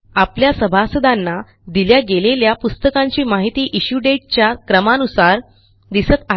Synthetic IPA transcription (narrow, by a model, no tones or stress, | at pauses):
apljasəbʱasəd̪anːa | d̪iljaɡeleljapust̪əkãɲt͡ɕiːmaɦit̪iːʔiɕuɖeʈ̚t͡ɕjakɾəmanusaɾ | d̪isət̪a